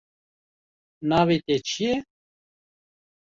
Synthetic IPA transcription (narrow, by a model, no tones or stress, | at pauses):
naːwit̪et͡ʃʰije